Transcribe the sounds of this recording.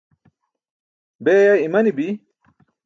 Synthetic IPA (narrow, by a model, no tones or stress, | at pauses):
beːjaimɐnibi